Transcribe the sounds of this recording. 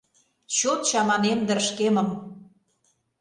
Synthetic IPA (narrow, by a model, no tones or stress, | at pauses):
t͡ɕot̪t͡ɕɑmɑnemd̪ə̆rʃkemə̆m